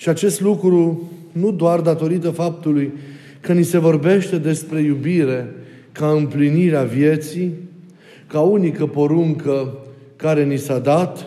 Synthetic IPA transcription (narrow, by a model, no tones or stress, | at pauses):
ʃiat͡ʃe̞st̪lukɾu | nud̪oard̪at̪o̞ɾit̪əfap̚t̪uluj | kənise̞vo̞rbe̞ʃt̪e̞d̪e̞spɾe̞jubiɾe̞ | kaɨmpliniɾeavje̞t̪si | kaunikəpo̞ɾuŋkə | kaɾe̞nisad̪at̪